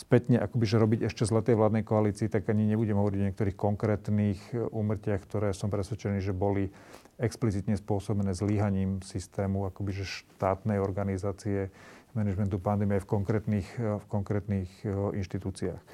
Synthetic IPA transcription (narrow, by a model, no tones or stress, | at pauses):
spɛt̪ɲɛʔakɔbiʒɛɾɔbiɟɛʃcɛzlat̪ɛjʋlaːd̪nɛjkɔaliːt͡siːt̪aɡaɲiɲɛbuɟɛmɦɔʋɔɾiɟɔɲɛkt̪ɔɾiːxkɔŋkɾɛːt̪niːxʔuːmr̩cɪaxkt̪ɔɾɛːsɔmpɾɛsʋɛt͡ʃɛniːʒɛbɔli | ɛksplit͡sit̪ɲɛspʊɔsɔbnɛːzliɦaɲiːmsist̪ɛːmuakɔbiʒɛʃt̪aːt̪nɛjɔɾɡanizaːt͡siɛmɛnɛd͡ʒmɛnt̪upand̪ɛmiafkɔŋkɾɛːt̪niːxfkɔŋkɾɛːt̪niːxinʃt̪it̪uːt͡siaːx